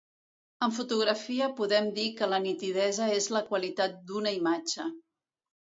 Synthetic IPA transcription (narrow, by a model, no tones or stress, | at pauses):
əɱfut̪uɣɾəfiəpuðɛmd̪ikələnit̪ið̞ɛzəezləkwəlit̪at̪̚d̪unəimad͡ʒə